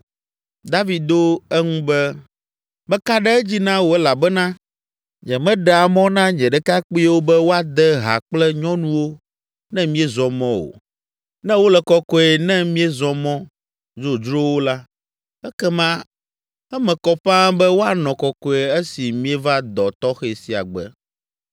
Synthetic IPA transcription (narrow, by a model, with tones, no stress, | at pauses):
d̪a˦vi˦d̪o˦ɛ˦ŋũ˦bɛ˦ | mɛ̃˦ka˦ɖɛ˦ɛ˦d͡ʑi˦nã˦wo˨ɛ˦la˨bɛ˦nã˦ | ɲɛ̃˨mɛ̃˦ɖɛ˨a˨mɔ̃˦nã˦ɲɛ̃˨ɖɛ˦ka˦k͡pi˦wo˦bɛ˦wo˦a˨d̪ɛ˦ɦa̰˨k͡plɛ˦ɲɔ̃˦nũ˦wo˦ | nɛ̃˦mĩ˦ɛ˦zɔ̃˨mɔ̃˦wo̰˨ | nɛ̃˦wo˦lɛ˨kɔ˦kɔ˦ɛ˨nɛ̃˦mĩ˦ɛ˦zɔ̃˨mɔ̃˦ | zo˨d͡ʒɾo˦wo˦la˦ | ɛ˦kɛ˦mã˦ | ɛ˦mɛ̃˨kɔ˨ɸã˦bɛ˦wo˦a˨nɔ̃˨kɔ˨kɔ˦e˨ɛ˦si˨mĩ˦ɛ˦va˦d̪ɔ˨t̪ɔ˦xɛ˨si˨a̰˨ɡ͡bɛ̰˨